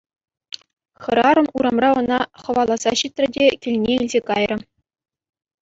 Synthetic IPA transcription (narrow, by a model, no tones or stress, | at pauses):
χɤ̆ɾɑɾɤ̆muɾɑmrɑɤ̆nɑχɤ̆ʋɑlˠɑz̥ɑɕit̪ʲrʲɘ̆dʲekʲilʲnʲeilʲzʲekɑjrɤ̆